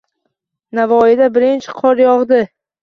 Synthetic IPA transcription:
navɒɪd̪abɪɾɪnt͡ʃʰɪ̥qʰɒɾjɒʁd̪ɪ

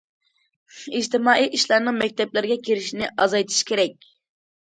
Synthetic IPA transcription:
id͡ʒt̪ɪmɑːʔijʔiʃlˠɑɾnɨŋmɛk̚ʲt̪ʰɛplɪɾɡʲɛkʲʰeɾɪʃinɪʔɑzɑjt̪ʰɨ̥ʃkʲeɾɛk̚ʲ

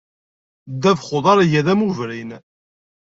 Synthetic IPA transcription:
d̪ævχoðˤɑɾjæðæmuvɾin

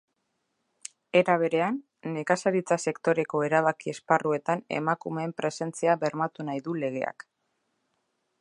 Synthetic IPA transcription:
e̞ɾaβ̞e̞ɾe̞anː | e̞kasaɾit͡sase̞kt̪o̞ɾe̞ko̞e̞ɾaβakie̞sparue̞t̪ane̞̰makume̞ːmpɾe̞se̞nt͡siaβe̞ɾmat̪unajðule̞ɣ̞e̞a̰k

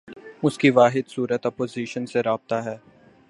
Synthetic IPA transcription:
ʊskiʋaːɦɪd̪suːɾət̪ɔpoːziːʃənseɾaːb̚t̪aɦɛː

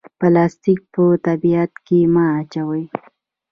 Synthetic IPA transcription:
pəlɑst̪ik̚pət̪abiat̪kemɑat͡ʃawəj

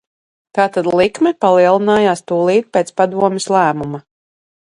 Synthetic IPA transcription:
k̪aːt̪ad̪lˠikmɛpalˠiɛlˠinaːjaːst̪uːlˠiːt̪̚pʲeːt̪spad̪uɔmɛslˠæːmuma

